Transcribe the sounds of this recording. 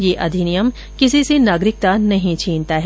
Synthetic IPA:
jeːʔɐd̪ʱinijəm | kɪsisenaːɡɾɪk̚t̪anɐɦĩt͡ʃʰiːnt̪aɦɛː

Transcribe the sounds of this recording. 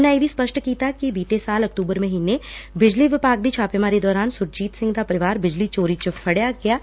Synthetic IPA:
najebʱispɐʃʈkiːt̪akibiːt̪esaːlɐk̚t̪uːbəɾmẽɦiːnebɪd͡ʒliʋɪpaːk̚d̪it͡ʃʰaːpemaːɾed̪ɔːɾaːnsʊɾt͡ʃiːt̪sɪ̃ŋɡd̪apɐɾɪʋaːɾbɪd͡ʒlit͡ʃoːɾit͡ʃəfʰɐɽjaɡɐjaː

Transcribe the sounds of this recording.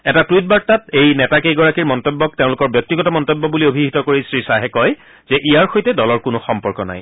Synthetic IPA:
ɛtatɹut̚baɹtatejnɛtakejɡɔɹakiɹmɔntobːɔk̚teʊ̃lʊkɔɹbjɔk̚tiɡɔtɔmɔntobːɔbuliobʱiɦitɔkoɹisɹisaɦɛkɔj | zɛʔijaɹxojtɛdɔlɔɹkʊnʊxɔmpɔɹkɔna̰j

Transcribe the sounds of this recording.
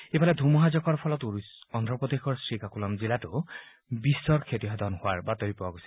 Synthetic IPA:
epalɛd̪ʱumɔɦazɔkɔɹpʰɔlɔtuɹsɔnd̪ʱɹɔpɔd̪exɔɹsɹikakulɔmzilatʊ | bisːɔɹkʰetiɦad̪ʱɔnhʊwaɹbatoɹipɔaɡojsi̥

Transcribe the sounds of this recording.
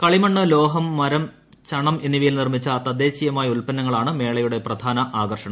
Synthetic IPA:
kɐɭimɐɳːɨlo̞ːɦɐmːɐɾɐm | t͡ɕɐɳɐmenːiʋijlnirmit͡ɕːɐt̪ɐd̪e̞ːɕijɐmaːjɐulpɐnːɐŋːɐɭaːɳɨme̞ːɭɐjuɽe̞prɐd̪ʱaːnɐʔaːɡɐrʂɐɳɐm

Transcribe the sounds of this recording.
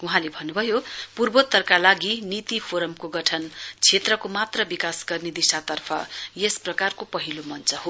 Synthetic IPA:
uɦãlebʱʌnːubʱʌjopurbot̪ːʌrkalaɡinit̪ipʰoɾʌmkoɡʌʈʰʌnt͡sʰet̪rʌkomat̪rʌbikasɡʌrned̪isat̪ʌrpʰʌ̰jesprʌkarkopʌɦilomʌnt͡sʌɦo

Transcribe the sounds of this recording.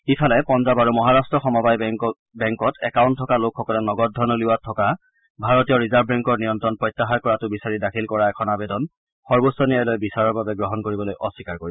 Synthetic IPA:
ipʰalɛpɔnzabaɹumɔɦaɹastɹɔxɔmɔbaj | bɛŋkɔtʰɛkawntʰːɔkalokʰxɔkɔlɛnɔɡɔd̚dʱɔnɔliwatʰɔka | bʱaɹɔtijɔɹizabɹɛŋkɔɹnijɔntɹɔnpɹɔjtːaɦaɹkɔɹatʊbisaɹidakʰilkɔɹaɛkʰɔnabɛdɔn | xɔɹbosɔnijajlojbisaɹɔɹbabɛɡɹɔɦɔnkoɹibɔlojʔɔsikaɹkoɹibɔ

